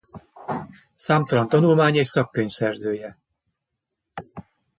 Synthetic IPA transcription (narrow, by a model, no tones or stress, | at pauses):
saːmt̪ɒlɒnt̪ɒnulmaːɲeːɕsɒkːøɲfsɛrzøːjɛ